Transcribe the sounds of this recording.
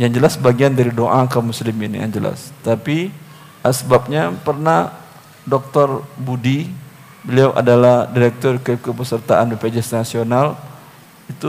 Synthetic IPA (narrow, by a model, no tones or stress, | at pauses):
jaŋd͡ʒəlasəbaɡiandaɾidoʔakamuslimɪnja̰nd͡ʒəla̰st̪api | asəbap̚ɲapərnah | dɔk̚t̪ɔrbudi | bəliawʔa̰dalahdiɾɛk̚t̪ɔrkɛp̚kəpəsərt̪aʔanbəped͡ʒɛsnasional | it̪u